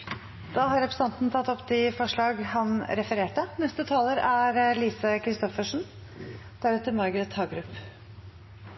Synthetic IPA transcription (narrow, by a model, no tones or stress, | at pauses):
d̪̥ɑːhɑɾɛpʰɾə̥sɑnt̪nt̪ʰɑt̪ːɔpːd̪ɪfɔʂɭɑːɡhɑnɾɛfəɾeːʈənɛst̪ət̪ʰɑːləɾæɾliːsəkʰɾɪst̪ɔfəʂɳ̩ | d̪̥æɾʉːt̪əmɑɾɡɾət̪hɑːɡɾʉp